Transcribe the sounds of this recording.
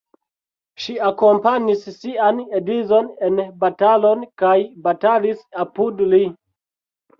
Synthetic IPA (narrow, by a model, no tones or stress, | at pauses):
ʃiako̞mpaɲisːianedizo̞nenbatalo̞nkajbatalisapudli